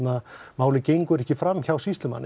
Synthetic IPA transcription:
namaːwlɪcejŋkʏɛɾɛhcɪfɾamːçawsist̪lʏma̰nː

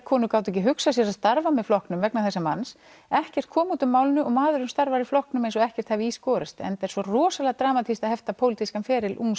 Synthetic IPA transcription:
kʰɔːnʏkaːwt̪ʏɛc̬ɪɦʏksasjɛɾaðst̪aɾvamɛðflɔhknʏmvɛknaθɛsːama̰ns | ɛhcɛr̥t̪̚kʰɔːmut̪ʏmːaːwlɪnʏʔɔɣmaːðʏɾʏmst̪aɾvaɾiflɔhknʏmejnsɔɣɛhcɛr̥t̪havɪiːskɔːɾɪst̪ɛ̰nt̪ɛɾsvɔrɔːsalɛɣat̪ɾaːmat̪ʰist̪ahɛft̪apʰowlɪt̪ʰiskanfɛːɾɪlʔṵns

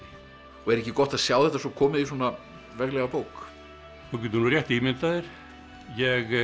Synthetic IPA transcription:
ɔɣɛɾɛhcɪkɔht̪aðsjawðɛht̪asɔkʰɔːmɪðiswɔna | vɛɣlɛɣapoːwk | θɔcɛt̪nurjɛht̪imɪnt̪aðɪɾ̥ | jɛɣ

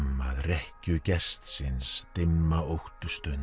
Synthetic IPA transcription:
mːaðrɛhcʏcɛst̪sɪnst̪ɪmːaowht̪ʏst̪ʏn

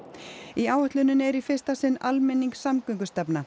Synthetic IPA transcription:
iaːwhʏht̪lʏnːʏnɛɾifɪr̥st̪asɪnːalmɛnːiŋksamkʏŋkʏst̪ɛpna

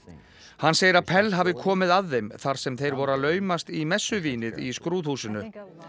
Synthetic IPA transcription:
hanːseːjɪɾaðpʰɛlːɦaːvðɪkʰɔːmɪðaðːejmθaɾ̥sɛmθejɾvɔɾalœːɥmast̪imɛsːʏviːnɪðiskɾuːð̥huːsʏnʏ

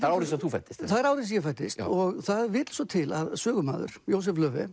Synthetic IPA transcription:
aɾawɾɪsɛθufajt̪ɪst̪θaðɛɾaːwɾɪs̬jɛfajt̪ːɪst̪ɔɣθaðɛɾvɪːt̪l̥sɔt̪ʰɪlaðsœːɣʏma̰ːðʏ̰ɾ̥jows̬ɛflœːvɪ̰

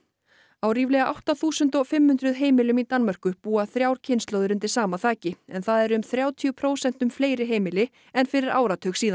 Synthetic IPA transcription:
awɾiːvlɛɣaʔa̰wht̪aθuːsʏnt̪ɔfɪmhʏnt̪ɾʏðɦeːjmɪlʏmit̪anmœr̥kʏpuːaθɾjaːwɾ̥cʰɪnst̪lowðʏɾʏnt̪ɪ̥saːmaθaːcɪɛnθaðɛɾʏmθɾjaːwt̪ʰiʏpʰɾoːwsɛn̥t̪ʏmfleːjɾɪɦeːjmɪlɪ | ɛnfɪɾɪɾa̰ːwɾat̪ʰœxsiːðan

